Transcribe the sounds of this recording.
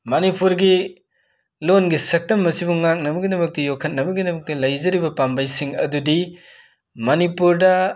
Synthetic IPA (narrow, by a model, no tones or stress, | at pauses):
mɐnipuɾɡi | lonɡisɐk̚tɐmːɐsibuŋak̚nɐbɐɡidɐmɐk̚tɐjokʰːɐt̚nɐbɐɡidɐmɐk̚tɐlɐjzɐɾibɐpambajsiŋɐ̰dudi | mɐnipuɾdɐ